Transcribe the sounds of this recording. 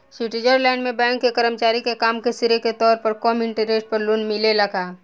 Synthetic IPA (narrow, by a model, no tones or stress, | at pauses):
siʈid͡ʒəɾlɛ̃ːɳɖmẽbɛ̃ːŋkːekəɾəmt͡ʃaːɾikekaːmkesɪɾeket̪ɔːɾpəɾkɔːmɪ̃ɳʈəɾeːsʈ̚pəɾlʊnmɪlelɐɡʱaː